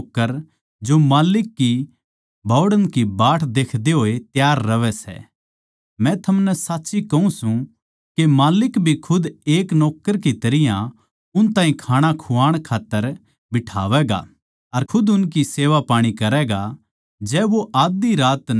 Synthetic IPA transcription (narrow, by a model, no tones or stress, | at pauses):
kːəɾ | d͡ʒomaːlɪkːi | bʱɔːɽənkibaːʈʰd̪eːkʰd̪eɦoːet̪jaːɾːɐʋɛsɛ̰ | mɛ̃t̪ʰɐmnɛsaːtːsikɐũsũ | kemaːlɪkbʱikʰʊd̪eːknɔːkːəɾkit̪ɐɾɪjã | ʊnt̪ãːɦĩkʰaːɽ̃akʰuaːɽ̃kʰaːt̪ːəɾ | bɪʈʰaːʋɛːɡa̰ | ɐɾkʰʊd̪ʊnk̬iseːʋapaːɽ̃ikɐɾɛːɡa | d͡ʒɛːʋoʔaːd̪iɾaːt̪